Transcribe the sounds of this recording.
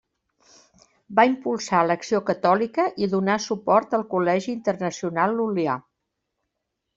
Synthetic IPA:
baimpulˠsaləksiokət̪ɔlikəʔiðunasupɔrt̪əlˠkulɛʒiːnt̪ərnəsiunalˠːulia

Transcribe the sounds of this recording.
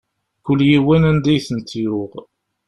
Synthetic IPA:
kʊlːjiwænænd̪æjθənt̪iɾʊʁ

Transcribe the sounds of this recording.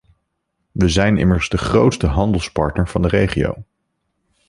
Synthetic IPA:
ʋəzɛjnɪ̰məɹzdəχrowtstəɦɑndəlˠspɑ̰ɹtnəɹv̥ɑndərejχio̰w

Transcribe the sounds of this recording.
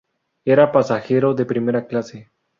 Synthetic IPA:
e̞ɾapasaxe̞ɾo̞ðe̞pɾime̞ɾaklase

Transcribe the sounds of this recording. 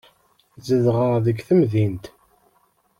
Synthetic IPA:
zəðʁəʁðəɡθəmðint̪

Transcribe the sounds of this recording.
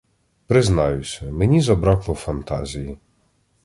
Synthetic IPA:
pɾɪznɑjʊsʲɐmenʲizɔbɾɑklˠɔwfɐnt̪ɑ̰zʲiji

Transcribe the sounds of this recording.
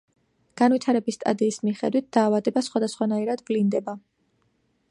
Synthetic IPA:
ɡ̥anvit̪ʰaɾɛbisːt̪ʼa̰d̪iːsmiχɛ̰d̪wit̪̚d̪̥aːvad̪ɛbasχwad̪asχwanaiɾad̪ɡlind̪ɛba

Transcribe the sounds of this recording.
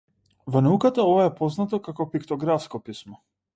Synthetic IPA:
vɔnaukat̪aɔvaɛpɔznat̪ɔkakɔpikt̪ɔɡɾafskɔpismɔ

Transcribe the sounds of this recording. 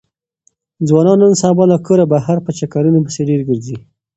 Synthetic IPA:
d͡zwɑnɑnːənsɑbɑlakoɾabaɦaɾpət͡ʃakaɾunobəseɖeɾɡəɾzi

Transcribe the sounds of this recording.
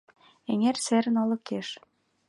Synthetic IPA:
eŋerseɾə̆nɑlɤ̆keʃ

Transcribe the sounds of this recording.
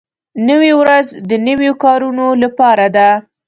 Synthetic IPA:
nəwiwɾazd̪ənəwjokɑɾunolapɑɾad̪a

